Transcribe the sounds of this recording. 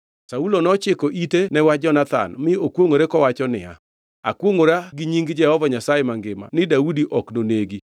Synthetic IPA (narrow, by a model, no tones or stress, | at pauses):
saulonɔt͡ʃɪkɔʔitenɛwad͡ʒɔnat̪a̰nmɪokwoŋoɾekɔwat͡ʃɔnɪ̰a̰ | a̰kwoŋoɾaɡɪɲiŋɡd͡ʒɛhɔvaɲasajemaŋɡɪma̰nɪdaudiʔɔknoneɡi